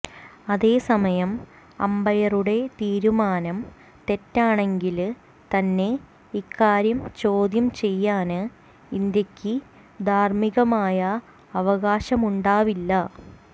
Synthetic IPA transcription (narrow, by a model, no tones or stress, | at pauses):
ɐðe̞ːsɐmɐjɐm | ɐ̰mbɐjɐruɽe̞t̪iːɾumaːnɐm | t̪e̞tːaːɳe̞ŋɡil | t̪ɐnːe̞ | ikːaːɾjɐmt͡ɕo̞ːd̪jɐmt͡ɕe̞jːaːnɨ | ind̪jɐkʲːɨ | d̪ʱaːrmiɣɐmaːjɐː | ʋɐɣaːɕɐmuɳɖaːʋilːɐ